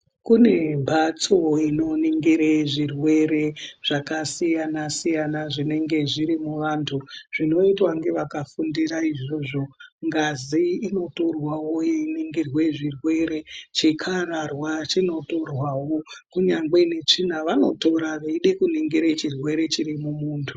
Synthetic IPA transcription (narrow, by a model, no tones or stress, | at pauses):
kune̞bʱat͡so̞ino̞niŋɡiɾeʐirwe̞ɾe̞ʐ̥akasijanasijanaʐine̞ŋɡe̞ʐiɾimuʋaːntʰuʐ̥ino̞itwaŋɡe̞ʋakafundiraiʐo̞ʐo̞ŋɡaziːno̞to̞rwawo̞einiŋɡirweʐirwe̞ɾe̞t͡ʃikʰaɾarwat͡ʃino̞to̞rwawo̞kuɲaŋɡe̞ne̞t͡ʂin̤aʋano̞̰to̞ɾaʋeiɗe̞kuniŋɡiɾet͡ʃirwe̞ɾe̞t͡ʃiɾimumuːntʰu